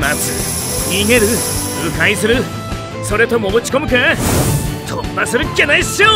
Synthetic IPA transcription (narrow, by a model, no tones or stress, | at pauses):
mat͡sɨ̰ | ɲʲiŋe̞ɾɯ | ɯkais̬ɨɾɯ | so̞ɾe̞t̪o̞moːt͡ɕi̥ko̞mɯ̟kɯ̃ | t̪ʰopːasɨɾɯkʲːenaiɕo